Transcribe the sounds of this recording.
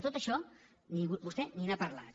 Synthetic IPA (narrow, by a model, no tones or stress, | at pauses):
t̪ot̪əʃɔ | nibust̪eninapaɾla̰t̪